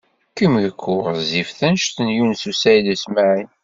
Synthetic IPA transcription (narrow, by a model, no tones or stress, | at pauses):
kəmʝəkːʊʁzifθænʃθənjunsusæjðæsmaʕin